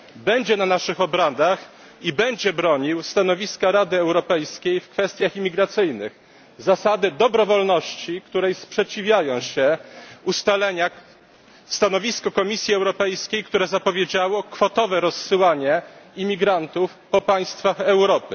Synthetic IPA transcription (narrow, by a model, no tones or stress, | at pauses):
bɛɲd͡ʑɛnanaʂɘxɔbɾad̪ax | ibɛɲd͡ʑɛbɾɔɲiwst̪an̪ɔvʲiskaɾad̪ɘɛwɾɔpɛjskʲejfkfɛst̪ʲjaximʲiɡɾat̪sɘjnɘ̰x | zasad̪ɘd̪ɔbɾɔvɔlnɔɕt͡ɕikt̪uɾɛjspʂɛt͡ɕivʲjajɔ̃w̃ɕɛust̪alɛɲa | st̪anɔvʲiskɔkɔmʲisʲjiɛwɾɔpɛjskʲejkt̪uɾɛzapɔvʲjed͡ʑawɔkfɔt̪ɔvɛɾɔsːɘwaɲɛimʲiɡɾant̪ufpɔpaj̃st̪faxɛwɾɔpɘ